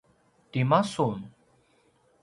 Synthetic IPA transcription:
t̪imason

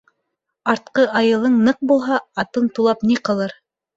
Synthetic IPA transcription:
ɑɾt̪̚qɤʔɑjɤ̆lˠɤɴnɤq̚bulˠɦɑɑt̪ɤɴt̪ulˠɑpniqɤ̆lˠɤɾ

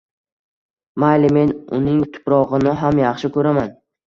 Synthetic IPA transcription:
majlɪme̞nʊ̰nɪŋt̪ʰʊ̥pɾɒʁɨnɪɦamjɑχʃɪkʰɵɾaman

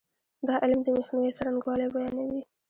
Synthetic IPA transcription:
d̪ɑʔɪlmd̪əmexnawesaɾaŋɡwɑlebajɑnawi

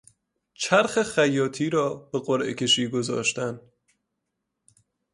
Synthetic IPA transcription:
t͡ʃʰæɾxexæjɒːt̪ʰiːɾɒːbe̞ɢoɾʔḛkʰʲe̞ʃiːɡo̞zɒ̰ːʃt̪æn

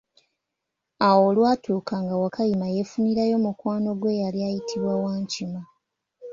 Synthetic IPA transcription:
awo̞ːlwaːtuːkaŋɡawakajimajefuniɾajo̞mukwaːno̞ɡwe̞jaljajitʰiβwawaːɲcima

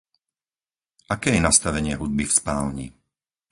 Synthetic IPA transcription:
ʔakɛːjɛnast̪aʋɛɲɪɛɦud̪̚bifspaːlɲḭ

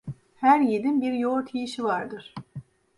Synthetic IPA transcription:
hæɾjed̪inbiɾjoɾt̪ʰijiʃivaɾd̪ɯɾ̥

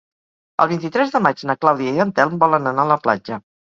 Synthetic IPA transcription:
ə̰lˠβint̪̬it̪ɾɛzðəmad͡ʒnəklawðiəiənt̪ɛlˠmbɔlənənaːləpla̰d͡ʒə

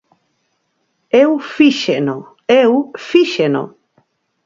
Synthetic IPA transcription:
ewfiʃeno | ewfiʃeno̰

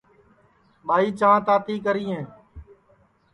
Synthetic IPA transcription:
ɓaːiːt͡ʃãːt̪aːt̪iːkəɾiːɦẽː

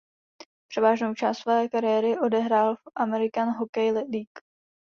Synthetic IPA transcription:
pr̥ɛvaːʒno̞wt͡ʃaːst̪svɛːkaɾɪjɛːɾɪʔo̞dɛɦɾaːlʔamɛɾɪkanɦokɛjlliːk

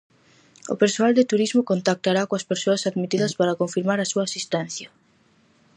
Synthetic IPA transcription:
ʊ̰peɾsoald̪ɪt̪uɾizmokont̪ak̚t̪aɾakoɐspeɾsoasaðmit̪iðɐspaɾɐkoɱfiɾmaɾasuaːsist̪ɛn̟θjɐ

